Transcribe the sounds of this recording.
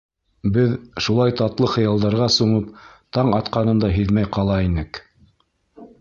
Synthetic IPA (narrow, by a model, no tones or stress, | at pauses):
bɘðʃulˠɑjt̪ɑt̪lˠɤχɤ̆jɑlˠd̪ɑɾʁɑsuɴɤpt̪ɑɴɑt̪qɑnɤ̆nd̪ɑɦiðmæjqɑlˠɑinɘk